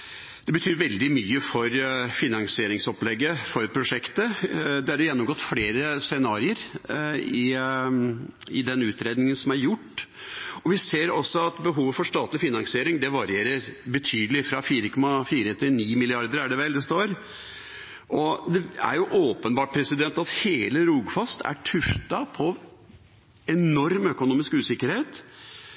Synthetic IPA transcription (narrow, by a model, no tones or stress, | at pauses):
d̪̥ɛbət̪ʰyːɾʋɛld̪ɪmyːəfɔɾfɪnɑŋsɪeːɾɪŋsɔplɛɡːəfɔɾpʰɾʊʂɛkt̪əd̪ɛhɑɾjɛnːɔmɡɔt̪ːfleːɾəsɛnɑːɾɪəɾ | ɪ | ɪd̪ɛnʉːt̪ɾeːd̪nɪŋənsɔmæɾjʊʈːɔʋɪseːɾɔsːɔɑt̪bəɦuːʋəfɔʂt̪ɑːt̪lɪfɪnɑŋsɪeːɾɪŋd̪ɛʋɑɾɪeːɾəɾbət̪ʰyːd̪əlɪfɾɑfiːɾəkʰɔmːɑfiːɾət̪ʰɪniːmɪlɪɑɾd̪əɾæɖɛʋɛld̪ɛst̪oːɾ | ʔɔd̪ɛæ̰ɾjʊʔoːpənbɑːʈ̚pʰɾɛsɪd̪ɛnt̪ɑt̪heːləɾuːɡfɑst̪ʰæ̰ʈʰʉft̪ɑpʰɔ | ɛnɔɾmœkʊnuːmɪskʉːsɪkːəɾheːt̪